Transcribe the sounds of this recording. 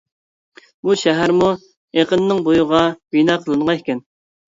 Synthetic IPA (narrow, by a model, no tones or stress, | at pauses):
buʃɛɦæɾmu | eqənːɪŋbojʊʁɑb̥inɑːqʰəlˠɨɴʁɑekʲɛn